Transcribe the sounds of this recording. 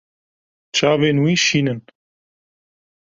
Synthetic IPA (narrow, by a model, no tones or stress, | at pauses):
t͡ʃʰaːveːnwiːʃiːnɨn